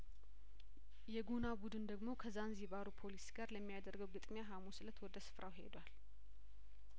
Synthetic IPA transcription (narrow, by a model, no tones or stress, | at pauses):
jɛɡunabud̪ɨnd̪əɡmo̞kʰəzanziβaɾupʰo̞lisɡaɾləmːijad̪əɾɡəwɡɨt̪ʼmjaɦamusɨlət̪wɔd̪əsɨ̥fɾʔawɦe̞̰d̪wal